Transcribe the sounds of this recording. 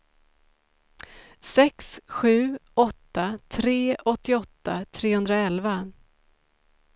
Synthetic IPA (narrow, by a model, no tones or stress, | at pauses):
sɛksɧʉ̟ːɔt̪ːat̪ʰɾeːɔt̪ːɪɔt̪ːat̪ʰɾeːhɵnd̪ɾaɛlva